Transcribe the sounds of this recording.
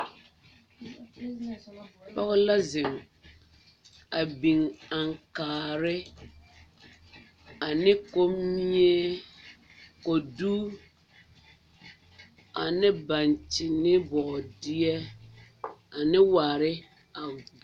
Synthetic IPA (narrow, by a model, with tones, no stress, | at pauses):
pɔ˦ɣʊ˦la˦zɪ˨m | a˨bi˨ŋa˨ŋkaː˨ɾɪ˦ | a˨nɪ˦ko˦mi˦i˦e˦ | ko˨duː˦ | a̰˨nɪ˦ba˨nt͡ʃɪ˨nɪ˦bɔː˨dɪ˦ɛ˦ | a˨nɪ˦waː˨ɾɪ˦ | a˨